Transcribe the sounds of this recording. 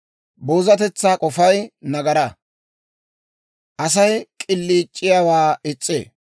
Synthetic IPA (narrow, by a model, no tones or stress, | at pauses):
boːzɐt̪ɛt͡sːaːkʼɔfɐjnɐɡɐɾɐ | ʔɐsɐjkʼɪlːiːt͡ʃʼːɪjawaːɪt͡sʼːḛː